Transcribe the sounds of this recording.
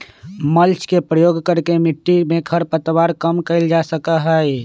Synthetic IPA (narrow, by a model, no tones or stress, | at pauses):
məlt͡ʃkepɾəjoɡkəɾkemiʈːimẽkʰəɾpət̪ʋaɾkəmkəɪld͡ʒasəkəɦəj